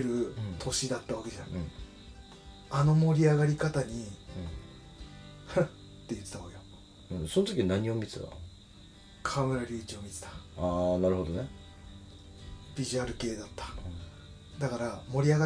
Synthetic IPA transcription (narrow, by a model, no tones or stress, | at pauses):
eɾɯ̟t̪ʰo̞ɕid̪at̪ːaβake̞d͡ʑanaĩ | ano̞mo̞ɾʲiaɣaɾʲikat̪aɲ̟ĩ | h | t̪ːe̞jɯ̟t̪ːet̪aβakejo | ɯ̃so̞not̪okʲinaɲ̟iomʲit͡sɨta̰ | kʰameɾaɾʲiːt͡ɕio̞mʲit͡se̥t̪ḁaːnaɾɯ̟ho̞d̪one | bʲiʑiaɾɯ̟ke̞ːd̪at̪ːḁ | d̪akaɾamo̞ɾʲiaɣa